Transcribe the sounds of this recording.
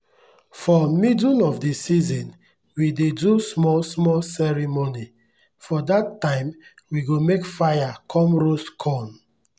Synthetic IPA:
fɔmidunɔfdesizɔ̃n | widedusmɔlsmɔlsɛɹimoni | fɔdatːãɪ̃m | wiɡomekfajakʰɔ̃mɹoskʰɔ̃n

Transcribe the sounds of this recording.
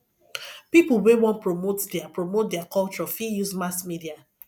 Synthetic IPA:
pipuwewɔ̃npɹomotdɛapɹomot̚dɛakɔlt͡ʃɹɔfijusmasmidia

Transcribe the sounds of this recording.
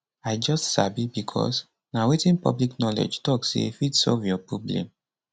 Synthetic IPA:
aɪd͡ʒɔstsabibikʰɔ̰s | nawetĩnpɔ̰bliknɔlḛd͡ʒtɔksḛfitsɔ̰lvjɔpɹoblɛ̰̃m

